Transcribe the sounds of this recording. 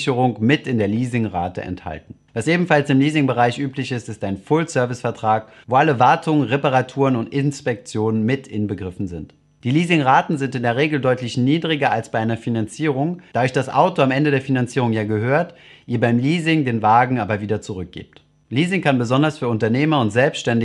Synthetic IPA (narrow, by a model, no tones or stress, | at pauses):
çəʁʊŋmɪtɪndeːɐliːzɪŋʁa̰ːtə̰ʔɛ̰ntha̰ltn̩vasʔeːbm̩falsɪmliːzɪŋbəʁaɪçʔyːplɪçɪstɪstaɪnfʊlsœɐvɪsfɛɐtʁ̥aːk | voːʔaləvaɐtʰʊŋənʁepaʁatʰuːʁənʊntɪnspɛk̚t͡sjoːnənmɪtɪnbəɡʁɪfn̩zɪnt | d̥iːliːzɪŋʁaːtn̩zɪntɪndeːɐʁeːɡl̩dɔʏtlɪçniːdʁɪɡɐalsb̥aɪʔaɪnɐfinant͡siːʁʊŋd̥aːdʊɐçd̥asʔa̰ʊtoamʔɛndədeːɐfinant͡siːʁʊŋjaːɡəɦøːɐtʔiːɐbaɪmliːzɪŋdeːnvaːɡŋ̩aːbɐviːdɐt͡suʁʏk̚ɡ̥ḛːp̚t | liːzɪŋkanbəzɔndɐsfyːɐʊntɐneːmɐʊntz̥ɛlpstʃtɛndɪ